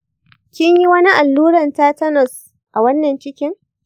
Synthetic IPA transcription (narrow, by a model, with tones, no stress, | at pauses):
kʲɪ˦ɲji˦wɐ˦ni˦ʔa˨lːuː˦ɾɐ˨ntaː˦tɐ˦nɔ˨s | ʔa˨wɐ˦nːɐ˨nt͡ʃɪ˦kʲɪ˦ŋ